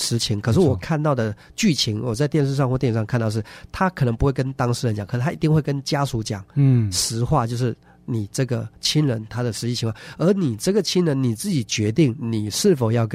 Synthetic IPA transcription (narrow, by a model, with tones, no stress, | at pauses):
ʂɻ̩˧˥t͡ɕʰi˧˥ŋkʰɤ˨˩ʂɻ̩˥˩wɔ˨˩kʰa˥˧nt̪ɑ˥˩ʊd̪ə˩ | t͡ɕy˥˩t͡ɕʰi˧˥ŋwɔ˨˩t͡sa˥˧ɪt̪jɛ˥˧nʂ̬̩˥˧ʂɑ˥˧ŋxwɔ˥˧t̪jɛ˥˩˨ʂɑ˥˧ŋkʰnt̪ɑ˥˧ʂɻ̩˥˩t̪ʰa˥kʰɤ˨˩nɤ˧˦ŋpu˧˥xwe˥˩ɪkə˥nt̪ɑ˥ŋʂɻ̩˥˩ɻə˦nt͡ɕɑ˨˦ŋʰkʰə˨˩ʂ̩˥˩tʰa˥i˧t̪i˥˧ŋxwe˥˩ɪkə˥nt͡ɕja˥su˧˥t͡ɕjɑ˨˩˦ŋʂɻ̩˧˥xwa˥˧t͡ɕjo˥˧ʊʂɻ̩˥˩ | ni˨˩ʈ͡ʂɤ˥˩ɡə˩t͡ɕʰi˥nɻə˧˥nt̪ʰa˥d̪ə˨ʂɻ̩˧˥t͡ɕi˥˩t͡ɕʰi˧˥ŋwa˥˩ə˞˧˥ni˨˩ʈ͡ʂɤ˥˩ɡə˩t͡ɕʰi˥nɻə˧˥nni˨˩t͡sɹ̩˥˩t͡ɕi˨˩t͡ɕɥɛ˧˥t̪i˥˩ŋni˨˩ʂɻ̩˥˩fo˨˩ʊjɑ˥˩ʊk